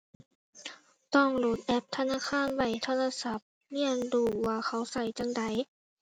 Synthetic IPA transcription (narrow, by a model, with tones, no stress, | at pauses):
t̪ɔ˧˩ŋloː˨˩t̪̚ʔɛ˦˥p̚t̪ʰa˧naː˧˥˨kʰaː˧˥˨nwa˧˨˩jt̪ʰa˧˥˨naː˧˨sa˧˦p̚ | ni˧˥˩ə˨nduː˧˩waː˧xʰa˧˥˩wsa˧˩jt͡ɕa˧˨ŋda˨˩j